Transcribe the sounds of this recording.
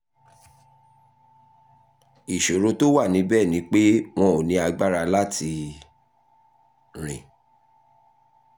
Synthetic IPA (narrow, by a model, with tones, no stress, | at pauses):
i˨ʃo˨ɾo˧to˦wa˦˨nĩ˨˦bɛ˦˨nĩ˨˦k͡pe˦w̃ɔ̃˧o˨nĩ˨˦a˧ɡ͡ba˦ɾa˧la˦tʰi˧ | ɾ̃ḭ̃˨